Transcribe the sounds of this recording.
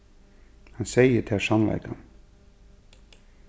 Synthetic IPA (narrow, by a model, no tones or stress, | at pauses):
hɑnseɪət̪ʰæʂɑmlæ̰ɪkɑ̰n